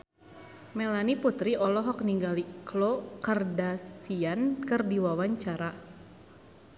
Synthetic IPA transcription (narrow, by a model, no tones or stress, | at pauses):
mɛlaniput̪ɾiɔlɔɦɔk̚niŋɡaliklokardasiankɨrdiwawaɲt͡ʃaɾa